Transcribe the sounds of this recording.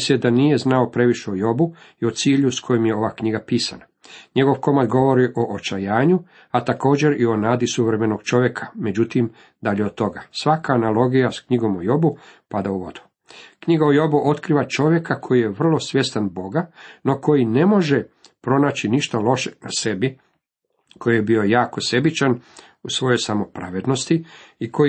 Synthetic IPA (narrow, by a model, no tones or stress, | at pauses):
sjed̪anije̞znao̞pɾe̞ʋiʃeojo̞buio̞t̪siːʎuskʰo̞jimjeo̞ʋakɲiɡapiːsa̰na | ɲe̞ɡo̞ʋko̞mad̪ɡo̞ʋo̞ɾiʔo̞ʔot͡ʃajaːɲu | at̪ako̞ːd͡ʑe̞ɾio̞naːd̪isuʋɾeme̞no̞ɡ̥t͡ʃo̞ʋje̞kʰḁme̞d͡ʑut̪im | d̪aʎeod̪̚t̪o̞ɡasʋakʰaːnalˠo̞ɡijaskɲiɡo̞mojo̞bupad̪auʋo̞d̪̥u̥ | kɲiɡaojo̞buʔo̞t̪kɾiːʋat͡ʃo̞ʋje̞kakʰo̞jije̞ʋr̩lo̞sʋʲje̞st̪anbo̞ɡano̞ko̞jine̞mo̞ʒe | pɾo̞naːt͡ɕiniʃt̪alo̞ʃena̰se̞bi | ko̞jijebio̞jaːko̞se̞bit͡ʃan | usʋo̞jo̞jsamo̞pɾa̰ʋed̪no̞st̪iikʰo